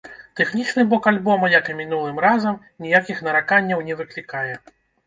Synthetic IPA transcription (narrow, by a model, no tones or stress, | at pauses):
t̪ɛxnʲit͡ʂnɨbɔkalʲbɔmɐjɐkɐmʲinulˠɨmrazɐm | nʲijakʲixnɐɾakanʲːɐwnʲɛvɨklʲikajɛ